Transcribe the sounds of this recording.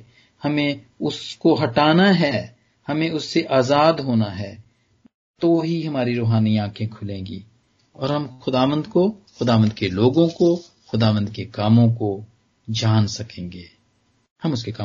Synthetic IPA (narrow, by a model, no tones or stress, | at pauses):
hɐmẽ | ʊskoɦɐʈaːnaɦɛː | hɐmẽʊsːeʔaːzaːd̪ɦoːnaɦɛː | t̪oɦiɦɐmaːɾiɾoːɦaːniãːkʰẽkʰʊlẽːŋɡḭː | ɔːɾɦɐmxʊd̪aːʋə̃nd̪koxʊd̪aːʋə̃nd̪̚keloːɡõko | xʊd̪aːʋə̃nd̪kekaːmõko | d͡ʒaːnsɐkẽːŋɡeː | hɐmʊskekaː